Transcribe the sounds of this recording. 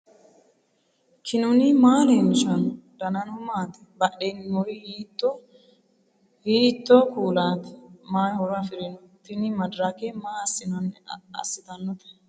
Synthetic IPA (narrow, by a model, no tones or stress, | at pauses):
kʰɪnɔnɪmaːlemɪʃɐnɔd̪ɐnɐnɔmaːt̪ɛ̥bɐɗɛnːɔjɪhiːt̪ːɔ | hiːt̪ːɔkuːlaːt̪ɛ̥maːjhɔɾafɪɾɪnɔt̪ɪnɪmɐd̪ɾakemaːɐsːɪnɐnːɛɐ̰sːɪt̪ɐnːɔt̪ɛ̥